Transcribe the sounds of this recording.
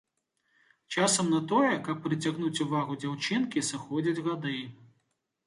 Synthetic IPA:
t͡ʂasɐmnɐt̪ɔjɛkɐpːɾɨt͡sʲaɣnut͡sʲuvaɣud͡zʲawt͡ʂɨnkʲisɨxɔd͡zʲid͡zʲɣad̪ɨj

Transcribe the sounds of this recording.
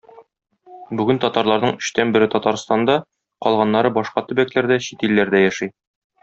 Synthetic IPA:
bʉɡɘnt̪ɒt̪ɑɾlˠɑɾnɤɴɵ̆ɕt̪ænbɘ̆ɾɘt̪ɒt̪ɑɾst̪ɑnd̪ɑ | qɒ̰lˠʁɑnːɑɾɤbɒʃqɑt̪ɵ̆bæklæɾd̪æɕit̪ilːæɾd̪æjæʃij

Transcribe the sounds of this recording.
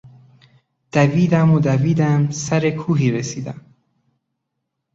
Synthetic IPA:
d̪̥æviːd̪æmod̪æviːd̪æmsæɾe̞kʰuːɦiːɾesiːd̪æ̰m

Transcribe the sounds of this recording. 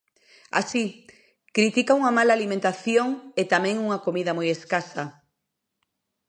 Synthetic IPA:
a̰si | kɾit̪ikauŋamalaːlimẽnt̪aθjoŋet̪amẽŋuŋakomiðɐmojeskasa

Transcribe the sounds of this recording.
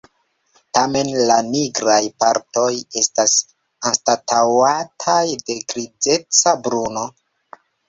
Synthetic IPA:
tame̞nlaniɡɾajpaɾto̞je̞stas | anstatawatʰajde̞ɡɾid͡ze̞t͡sabɾuno̞

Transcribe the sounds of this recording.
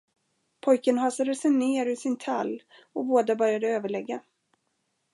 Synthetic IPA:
pʰɔjkənɦɑːsad̪əsɛjneːɾɵsɪnt̪ʰalː | ɔboːd̪abœɾjad̪əøːvəɭɛɡːa

